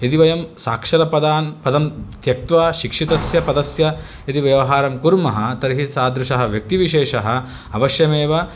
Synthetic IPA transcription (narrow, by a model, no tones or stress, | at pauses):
et̪iʋɐjɐmsaːkʂɐɾɐpɐd̪aːnpɐd̪ɐmt̪jɐk̚t̪ʋaːʃikʂit̪ɐsjɐpɐd̪ɐsjɐ | et̪iʋjɐʋɐɦaːɾɐmkuɾmɐɦɐt̪ɐɾiɦisaːd̪ɾuʃɐɦɐʋjɐk̚t̪iʋiʃeːʃɐɦɐ̆ | ɐʋɐʃjɐmeːʋɐ